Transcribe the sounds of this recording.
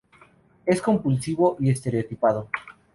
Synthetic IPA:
e̞sko̞mpulsiβo̞ʔiest̪e̞ɾeot̪ipaðo

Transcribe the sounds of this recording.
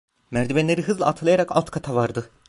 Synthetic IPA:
mæɾd̪ibɛnlʲeɾiɦɯzlˠaat̪ʰɯlˠajaɾaka̰lˠt̪kʰat̪ʰavaɾd̪ɯ

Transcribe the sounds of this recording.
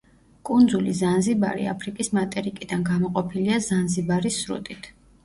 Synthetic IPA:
kʼund̪zulizanziba̰ɾḭa̰pʰɾikʼismat̪ʼɛɾikʼid̪anɡamɔqʼɔpʰiliazanzibaɾisɾṵt̪ʼit̪ʰ

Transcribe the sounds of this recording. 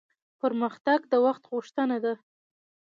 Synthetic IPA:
pəɾməxt̪aɡd̪əwaxt̪ɣʊʃt̪ənad̪a

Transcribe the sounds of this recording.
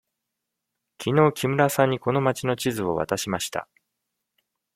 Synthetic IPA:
kʲʰino̞ːkʲimɯ̟ɾasãɲ̟ːiko̞no̞mat͡ɕino̞t͡ɕizɨo̞βa̰t̪aɕimaɕi̥t̪a̰

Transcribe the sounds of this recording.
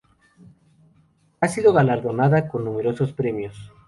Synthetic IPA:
asiðoɣalaɾðonaðakonːũmeɾosospɾemjos

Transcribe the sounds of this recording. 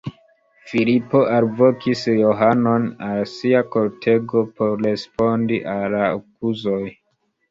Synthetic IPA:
filipo̞ʔalvo̞kʰisjo̞ɦano̞nalsiako̞ltʰe̞ɡo̞po̞ɾɾe̞spo̞ndiʔalaokuzo̞j

